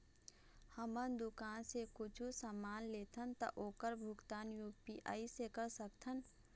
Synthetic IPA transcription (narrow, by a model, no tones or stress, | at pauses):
həmənd̪ʊkaːnsekʊt͡ʃʰusəmaːnleːt̪ʰənt̪ə̰ʔoːkəɾbʱʊɡt̪aːnjupiʔa̰ːisekəɾsəkt̪ʰən